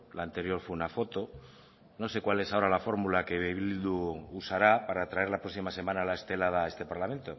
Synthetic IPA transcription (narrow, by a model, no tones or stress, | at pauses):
laːnt̪e̞ɾjo̞ɾfweunafo̞t̪o̞ | no̞se̞kwale̞sao̞ɾalafo̞ɾmulake̞βeβild̪uusaɾapaɾat̪ɾae̞ɾlapɾo̞ksimase̞mãnalae̞st̪e̞lað̞ae̞st̪e̞paɾlament̪o̞